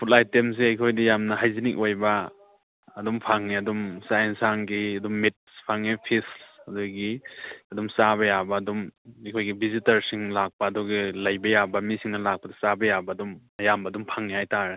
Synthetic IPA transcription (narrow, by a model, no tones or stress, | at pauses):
pʰutlajtːems̬eɐjkʰojdijamnɐɦajzinikojbɐː | dumpʰaŋniɐdumsajensaŋɡiɐdumːit̚spʰaŋːipʰisɐduɡiɐdumsaβɐjabɐːdumɐjkʰojɡibizitɐɾsiŋlak̚pɐːduɡilɐjbɐjabɐmisiŋnɐlak̚pɐdɐ̥sabɐjabɐːdum | ɐjambɐːdumpʰaŋnihajtaɾe